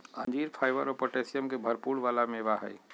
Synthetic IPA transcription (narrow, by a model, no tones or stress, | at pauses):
ə̃nd͡ʒiːɾpʰaːɪʋəɾɔpoʈeːsijəmkebʱɐɾpuːɽʋaːlamẽːʋaɦa̰i